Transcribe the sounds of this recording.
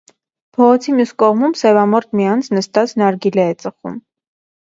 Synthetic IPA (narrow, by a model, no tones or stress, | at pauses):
pʰɔʁɔt͡sʰimjuskɔʁmumsɛvɑmɔɾt̪̚mijɑnt͡sʰnəst̪ɑt͡sʰnɑɾɡilɛɛt͡sʼəχṵm